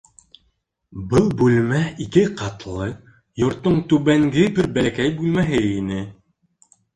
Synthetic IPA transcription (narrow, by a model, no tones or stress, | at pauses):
bɤlˠbʉlmæikɘqʰɑt̪lˠɤ | jŏɾt̪ːoɴt̪ʉβæŋɡɘbɘɾbælækæjbʉlmæɦɘinɘ